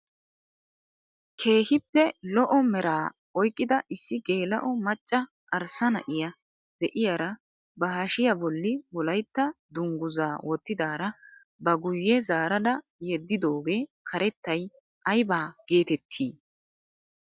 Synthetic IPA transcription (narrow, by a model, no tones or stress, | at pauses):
kʰe̞ːhɪpːɛlɔʔɔmɛɾaː | ɔjkʼːɪd̪ɐʔɪsːɪɡe̞ːlɐ̰ʔɔmɐt͡ʃʼːɐ | ʔːɾsɐnɐ̰ʔɪjɐ | d̪ɛʔɪjaɾɐ | bɐhaʃɪjabɔlːɪwɔlɐjt̪ːɐd̪ʊŋɡʊzaːwɔt̪ːɪd̪aːɾɐ | bɐɡʊjːɛzaːɾɐd̪ɐ | jɛd̪ːɪd̪o̞ːɡe̞ːkʰɐɾɛt̪ːɐj | ʔɐjbaːɡ̥e̞ːt̪ɛt̪ʰːiː